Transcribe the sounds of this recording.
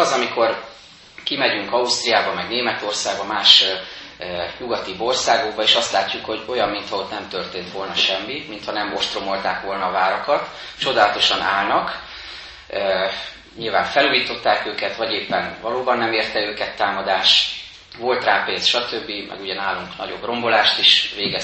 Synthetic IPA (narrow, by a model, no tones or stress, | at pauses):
ɒzɒmikʰo̞r | kimɛɟyŋkɒust̪rijaːbɒmɛɡneːmɛt̪o̞rsaːɡbɒmaːʃ | ɲuɡɒt̪ibo̞rsaːɡo̞ɡ̚bɒeːʃɒst̪laːcːukho̞ɟo̞jɒmːint̪hɒot̪nɛmt̪ø̞rt̪eːnt̪ʋo̞lnɒʃɛmːimint̪hɒnɛmo̞ʃt̪romo̞lt̪aːkʋo̞lnɒːvaːɾɒkɒt̪ | t͡ʃo̞d̪aːlɒt̪o̞ʃɒnʔaːlnɒk | ɲilvaːɱfɛluːjiːt̪o̞t̪ːaːkøːkɛt̪ʋɒɟeːpːɛnvɒloːbɒnːɛmeːrt̪ɛøːkɛt̪ːaːmɒd̪aːʃ | vo̞lt̪raːpeːnsʃɒt̪ø̞bːimʔɛ̰ɡuɟɛnaːlːuŋknɒ̰ɟo̞̰bro̞mbo̞laːʃt̪iʃʋeːɡɛ